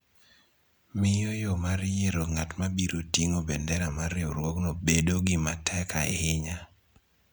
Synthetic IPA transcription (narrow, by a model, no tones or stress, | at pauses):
mɪjɔjomaɾjeɾoŋatmabiɾotiŋobɛndɛɾamaɾɪo̰ɾwɔknɔbedoɡɪmatʰɛkaḛɪɲa